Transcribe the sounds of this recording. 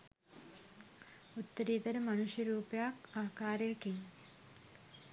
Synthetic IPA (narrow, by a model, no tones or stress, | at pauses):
ut̪ːɐɾiːt̪ɐɾɐmɐnuʃjɐɾuːpjaːkaːkaːɾjɐkiŋ